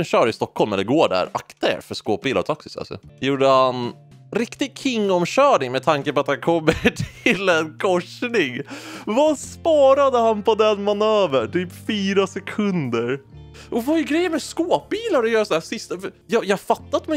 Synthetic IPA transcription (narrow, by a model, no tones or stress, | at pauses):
ɛnɕœːɖɪst̪ɔkːhɔlmɛnd̪ɛɡoːɖæ̰ːɾa̰kt̪a̰ɾfœskoːp̚biːla̰ɾt̪ʰaksɪ̥sa̰lsɔ̰juːɖəhan | ɾɪkt̪ɪɡ̚kʰɪŋːɔmɕœːɳɪŋmɛt̪ʰaŋkəpɔat̪hankʰɔmːəʈʰɪlɛnkʰɔʂnɪŋvaspɑːɾad̪əhanpɔd̪ɛnmanøːvəɳʈʰyːpfiːɾasɛkʰɵnd̪əɾʔɔvajɵɡɾɛjːəɾmɛskoːp̚biːlaɾd̪ɛjœːɾasɔnæːsɪst̪afjɑjɑːhfat̪ːat̪mɛ